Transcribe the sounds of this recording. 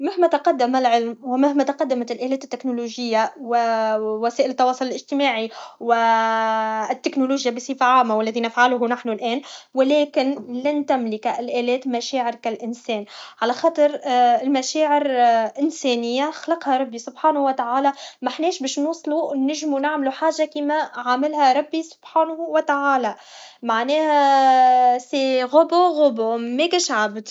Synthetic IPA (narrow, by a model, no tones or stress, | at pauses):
mahmæt̪ɑqɑd̪ːamalʕɪlmwɪmahmæt̪ɑqɑd̪ːamat̪ɪlʔæːlɛːt̪ɪt̪ːɪknʊluːʒɪjːawɪwæsɛːʔɪlɪt̪ːɑwɑːsˤʊlɪlʔɪʒt̪ɪmaːʕiwɪ | t̪ːɪknʊluːʒjabisˤiːfaʕaːmːawɪlːæðinafʕalʊɦunaħnulʔɛːnwɪlɛːkɪnlant̪amlɪkaɪlʔæːlɛːt̪maʃæːʕɪɾkalʔɪnsɛːnʕalæxɑːt̪ˤɨɾɪlmæʃɛːʕɪɾʔɪnsɛːnɪjːaxlɑqhɑɾˤɑbːisʊbħaːnhwɪt̪aʕaːlamaħnɛːʃbɛːʃnuːsˤlunɪʒmunaʕmluħaːʒːakiːmæʕamɪlhæɾˤɑbːisʊ̥b̥ħaːnhwɪt̪aʕaːla | maʕnɛːhæ | seɣʊboɣʊbʊmɛkɪʃʕabd̪